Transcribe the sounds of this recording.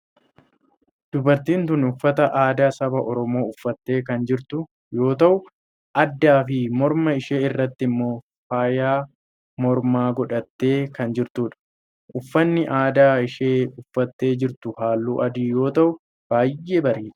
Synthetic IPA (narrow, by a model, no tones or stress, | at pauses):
d̪̥ʊbɐɾt̪iːnt̪ʊnʊfːɐt̪ɐʔaːd̪aːsɐbɐʔɔɾɔmo̞ːʊfːɐt̪ːe̞ːkɐnd͡ʒɪɾt̪ʊ | jo̞ːt̪ɐʔʊ | ʔɐd̪ːaːfɪmɔɾmɐɪʃeːɪrːɐt̪ːɪɪmːo̞ː | faːjaː | mɔɾmaːɡɔᶑɐt̪ːe̞ːkɐnd͡ʒɪɾt̪uːᶑɐ̥ | ʔʊfːɐnːɪʔaːd̪aːɪʃeːʊfːɐt̪ːe̞ːd͡ʒɪɾt̪ʊhaːlːuːʔɐd̪iːjo̞ːt̪ɐʔʊ | b̥aːjːʔeːbɐɾiːᶑɐ̥